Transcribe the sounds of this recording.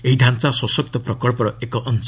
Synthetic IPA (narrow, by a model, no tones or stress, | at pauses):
eɦid̪ʱant͡saswɔsɔk̚t̪ɔpɾɔkɔɭpɔɾɔekɔʔɔns